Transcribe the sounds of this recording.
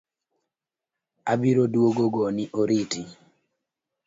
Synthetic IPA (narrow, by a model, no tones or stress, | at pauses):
abiɾodwoɡoɡoniʔoɾiti